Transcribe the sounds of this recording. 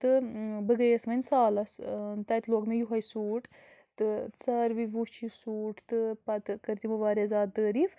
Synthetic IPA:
t̪ɨbɨɡəjesmɐnʲsaːlɐst̪ɐjt̪loːɡmejuɦɐjsuːʈ | t̪ɨt͡sɐɾʋiʋut͡ʃʰisuːʈt̪ɨpɐt̪kɐɾt̪imɨʋaːɾezaːt̪̚d̪əːɾif

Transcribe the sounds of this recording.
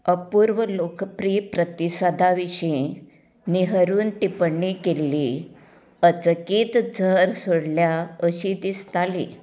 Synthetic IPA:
əpuːɾʋəlokpɾiːpɾət̪isad̪ʱaʋiɕĩ | niɦəɾuːnʈ̪ipəɳːikelːi | ət͡səkiːt̪d͡zʱəɾsoɽljaəɕid̪ist̪alḭ

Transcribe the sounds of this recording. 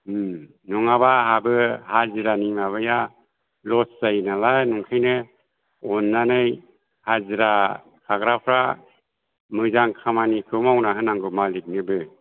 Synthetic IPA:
nɔŋabaɦabɯhaziɾanimaβɯja | lɔszajnalanuŋkʰajnɯ | ɔnːanɯj | haziɾa | kʰaɡɾapʰɾa | mɯzaŋkʰamanikʰɯmawnaɦɯnaŋɡɯmalik̚nɯbɯ

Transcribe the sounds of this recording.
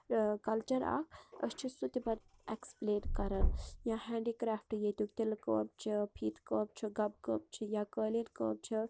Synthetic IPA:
kɐlt͡ʃɐɾa̰ːkʰəst͡ʃʰisut̪ipɐɾekspleːnkɐɾɐnjãhɛ̃ːɳɖikɾaːfʈjet̪ukt̪ilkə̰ːb̚t͡ʃʰipʰiːt̪kəːb̚t͡ʃʰiɡɐb̚kəːb̚t͡ʃʰijaːkəːlinkə̰ːb̚t͡ʃʰi

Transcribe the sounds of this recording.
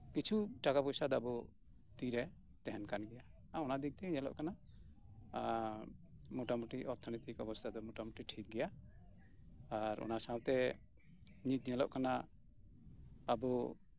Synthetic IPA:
kit͡ʃʰuʈakapɔjsad̪ɔabɔ | t̪iɾɛ | t̪ɛɦɛnkanɡɛja | aɔnad̪ik̚t̪ɛɲɛlɔ̰ʔkana | mɔʈamuʈiʔɔɾt̪ʰɔnit̪ikɔbɔst̪ʰad̪ɔmɔʈamuʈiʈʰik̚ɡɛja | ɾɔ̰nasãwt̪ɛ | ɲit̪̚ɲɛlɔ̰ʔkana | bɔ

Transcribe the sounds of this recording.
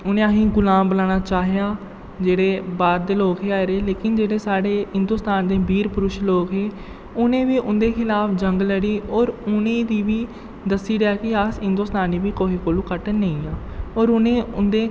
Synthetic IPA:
ʊnẽːaɦĩːɡʊlaːmbəlaːɽ̃aːt͡ʃaːɦɪjaː | d͡ʒeːɽeːbaːɾd̪eːloːkɦeːaːeɾeːleːkɪnd͡ʒeːɽeːsaːɽeːɦɪnd̪ʊːst̪aːnd̪eːbiːɾpʊɾʊʃloːkɦeː | ʊnẽːʋiːʔʊnd̪eːkʰɪlaːpʰd͡ʒəŋɡləɽiːɔːɾʊnẽːd̪iːʋiː | d̪əsiːɾeaːkɪasɦɪnd̪ʊːst̪aːniːbiːkoːiːkoːlũːkəʈnəĩːaːoːɾʊnẽːʊnd̪eː

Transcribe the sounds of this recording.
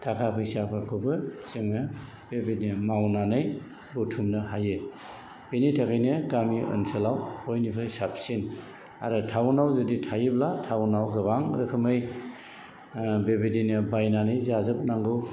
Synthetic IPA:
tʰakʰapʰɯjsapʰakʰɯbɯseŋnɯ | bebednɯmawnanɯj | butʰumnɯhajɯ | b̥enijtʰakʰɯjnɯɡamiɔ̰nselawpɔjnipʰajsap̚sin | a̰ɾɯtʰawnawzɯditʰajɯblatʰawnawɡɯbaŋɾɯkʰɯmɯj | bebedinɯbajnanɯjzazɯp̚naŋɡɯw

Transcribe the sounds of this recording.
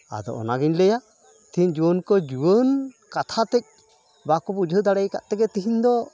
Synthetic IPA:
a̰d̪ɔ̰ʔɔ̰naɡiɲlɛja | t̪iɦiɲd͡ʒuwənkɔd͡ʒuwən | kat̪ʰat̪ɛc̚ | bakɔbud͡ʒʱəd̪aɽɛjka̰ʔt̪ɛɡɛt̪iɦiɲd̪ɔ

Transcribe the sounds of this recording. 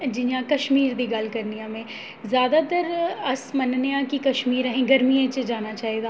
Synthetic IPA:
d͡ʒɪjãkɐʃmiːɾd̪iɡɐlkɐɾnijãmẽː | zjaːd̪at̪əɾɐsmɐnnejãkikɐʃmiːɾəɦẽɡɐɾmiẽt͡ʃed͡ʒaːnat͡ʃaːɦiɡ̪aː

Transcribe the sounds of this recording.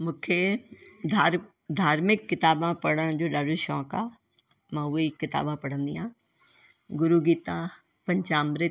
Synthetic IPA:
mʊ̃kʰe | a | d̪ʱaːɾmɪkːɪt̪aːbãpɐɽə̃d͡ʒoːɗaːɖuʃɔːkaː | mãːʊekɪt̪a̰ːbãːpɐɽ̤ə̃nd̪iːãː | ɡʊɾuːɡiːt̪ãː | pɐ̃ɲt͡ʃaːmɾe

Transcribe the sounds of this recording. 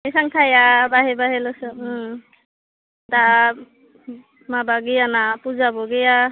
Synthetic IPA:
esaŋtʰajabaɦɛbaɦɛlɔsɯ | da | mabaɡijanapuzabɔɡɛja

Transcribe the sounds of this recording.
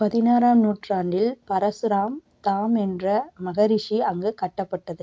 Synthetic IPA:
pɐðɪnaːɾaːmnuːʈraːɳɖɪlpɐɾɐsɯɾaːm | t̪aːmɛndrɐmɐɣɐɾɪʂiɐŋɡɯkɐʈːɐpːɐʈːɐðɯ

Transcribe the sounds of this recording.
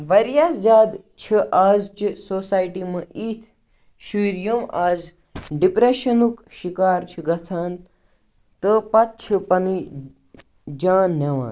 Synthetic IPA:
ʋɐɾjaːszʲaːd̪ | t͡ʃʰiʔaːzt͡ʃisoːsaːjʈimɐʔiːt̪ʰ | ʃuɾjomaːz | ɖipɾeʃɐnukʃikaːɾt͡ʃʰiɡɐt͡sʰaːn | t̪əpɐt̪̚t͡ʃʰipɐni | d͡ʒaːnːeʋa̰ːn

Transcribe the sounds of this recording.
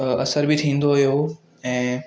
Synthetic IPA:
ɐsəɾbɪt̪ʰĩːn̆d̪oɦijo | ɛ̃ː

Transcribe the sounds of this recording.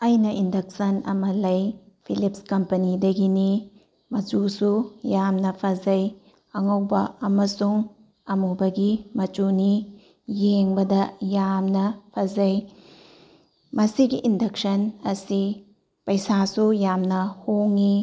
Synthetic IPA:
ɐjnɐʔindɐk̚sɐnɐ̰mɐlɐj | pʰilip̚skɐmpɐnidɐɡini | mɐd͡ʒusujamnɐpʰɐzɐj | ɐŋɐwbɐɐmɐsuŋ | ɐmubɐɡimɐt͡ʃuni | jeŋbɐdɐjamnɐpʰɐzɐj | mɐsiɡiʔːndɐk̚sɐnɐsi | pɐjsasujamnɐhoŋi

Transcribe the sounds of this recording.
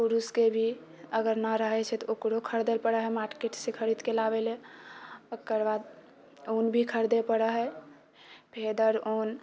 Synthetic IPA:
puɾuskebʱi | əɡəɾnəɾəɦɛt͡ʃʰɛt̪ɔokɾokʰəɾd̪elpəɽəɦɛmaʈkeʈsẽkʰəɾid̪kelaβele | əkːəɾbad̪ | onbʱikʰəɾd̪epəɽəɦɛ | pʰed̪əɾon

